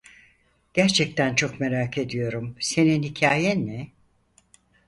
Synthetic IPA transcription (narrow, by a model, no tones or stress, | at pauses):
ɟ̥æɾt͡ʃʰɛc̚t̪ænt͡ʃʰo̞kme̞ɾaːkʰe̞d̪ijo̞ɾumse̞ninhicʰaːjɛnɛ